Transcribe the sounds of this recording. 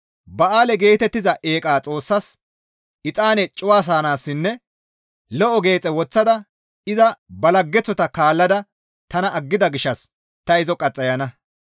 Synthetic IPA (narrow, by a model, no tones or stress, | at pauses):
bɐʔaːlɛɡe̞ːt̪ɛt̪ːɪzɐʔe̞ːkʼaːt͡sʼo̞ːsːɐs | ʔɪt͡sʼaːnɛt͡ʃʼʊwaːs̬aːnaːsːɪnːɛ | lɔʔɔɡe̞ːt͡sʼɛwɔt͡sːɐd̪ɐ | ɪzɐbɐlɐɡːɛt͡sːɔt̪ɐkaːlːɐd̪ɐ | t̪ɐnɐʔɐɡːɪd̪ɐɡɪʃːɐs | t̪ɐɪzɔkʼɐt͡sʼːɐjɐnɐ